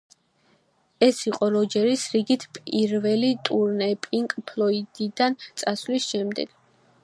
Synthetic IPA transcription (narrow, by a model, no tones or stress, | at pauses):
ɛsiqʼɔɾɔd͡ʒɛɾisɾiɡit̪ʰpʼiɾvɛlit̪ʼuɾnɛpʼiŋkʼpʰlˠɔid̪id̪ant̪sʼaslisʃɛmd̪ɛ̰ɡ̥